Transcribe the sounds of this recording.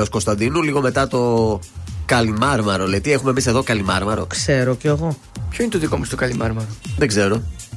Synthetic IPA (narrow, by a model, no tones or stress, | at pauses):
osko̞st̪ɐnd̪inuliɣo̞me̞t̪ɐt̪o̞ | kɐlimɐɾmɐɾolet̪ie̞xume̞mise̞ðo̞kɐlimɐɾmɐɾo̞̰kse̞ɾo̞ceːɣo̞ | pçoinet̪oðikomɐst̪okɐlimɐɾmɐɾoðeɡze̞ɾo̞